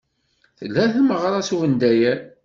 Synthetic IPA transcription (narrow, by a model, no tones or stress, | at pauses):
θəlːæθməʁɾˤɑsuvənd̪æjæ